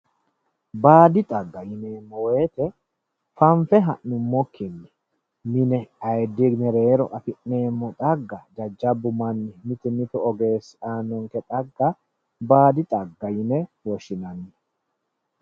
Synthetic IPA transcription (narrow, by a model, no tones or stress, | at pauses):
baːd̪ɪt̪ʼɐɡːɐjɪneːmːɔwe̞ːt̪ɛ | fɐɱfɛɦɐʔːʊmːɔkːɪnːɛ | nɪnɛɐjd̪ɪɡnɛɾe̞ːɾɔʔɐfɪʔne̞ːmːɔt̪ʼɐɡːɐd͡ʒɐd͡ʒːɐbːʊmɐnːɪmɪt̪ɪmɪt̪ʊɔɡe̞ːsaːnɔŋkɛt̪ʼɐɡːɐ | baːd̪ɪt̪ʼɐɡːɐjɪnɛwɔʃːɪnɐnːɛ